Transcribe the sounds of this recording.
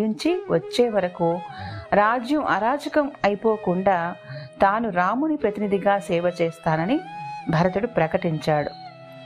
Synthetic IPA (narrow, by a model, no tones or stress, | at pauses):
iɲt͡ʃiʋɐt͡ʃːeːʋɐɾɐkuɾaːd͡ʒjɐmʔɐ̰ɾaːd͡ʒɐkɐmɐjipo̞ːkuɳɖaːt̪aːnuɾaːmunipɾɐt̪inid̪ʱiɡaːsɛːʋɐt͡ʃɛːst̪aːnɐnibʱɐɾɐt̪uɽupɾɐkɐʈiɲt͡ʃaːɽṵ